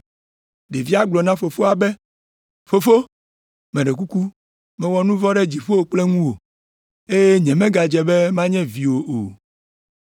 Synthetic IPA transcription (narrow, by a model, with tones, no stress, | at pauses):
ɖe˨vi˦a˦ɡ͡blɔ˨nã˦fo˨fo˦a˨bɛ˦ | fo˨fo˦ | mɛ̃˨ɖɛ˨k̬u˦ku˦ | mɛ̃˦wɔ˦nũ˦vɔ˦ɖɛ˦d͡ʑi˨ɸo˦o˦k͡plɛ˦ŋũ˦wo˨ | e˦jɛe˦ɲɛ̃˨mɛ̃˦ɡa˨d͡ʒɛ˨bɛ˦mã˦ɲɛ̃˦vi˨wo˨ʔo̰˨